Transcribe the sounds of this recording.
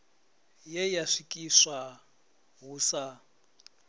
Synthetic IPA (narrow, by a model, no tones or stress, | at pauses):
jɛjaʂikʼiswa | ɦuːsa